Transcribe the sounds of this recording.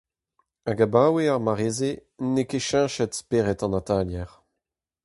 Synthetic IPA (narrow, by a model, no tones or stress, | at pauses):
aɡabaweaʁmaʁezenekeʃɛ̃ʃɛtspeːʁɛtɑ̃nat̪aljɛʁ